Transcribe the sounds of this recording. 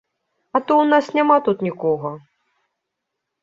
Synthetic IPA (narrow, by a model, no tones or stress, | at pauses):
ɐt̪ɔwnasnʲamat̪ut̪nʲikɔɣɐ